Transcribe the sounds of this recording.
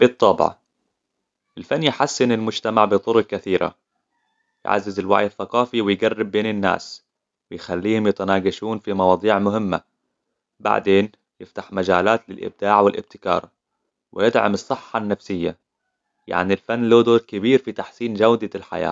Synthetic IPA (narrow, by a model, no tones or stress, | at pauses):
b̥ɨt̪ˤːɑːbʕɑ̰ | ʔɪlfanːjħasːɪnɪlmʊd͡ʒt̪amaʕbɨt̪ˤʊɾʊk̚kaθiːɾʔa̰ | jʕa̰zːɪzɪlwa̰ʕjɪθːɑqɑːfiwɪjɡarːɪbːeːnɪnːa̰ːs | wɪjxalːiːhʊmjɪt̪anaːɡaʃuːnfimɑwɑːd̪ˤiːʕmʊhɪmːa̰ | ba̰ʕd̪eːn | jɪft̪ḁħmad͡ʒaːlaːt̪lɪlʔɪ̰b̚d̪aːʕwɪlʔɪ̰b̚t̪ɪ̥kɑ̰ːɾˤ | wɪjɪd̪ʕa̰mɨsˤːɨħːɑnːafsɪjːa̰ | ja̰ʕnilfanːloːd̪oːɾkɪbiːɾfit̪aħsiːnd͡ʒawd̪alħa̰ja̰ː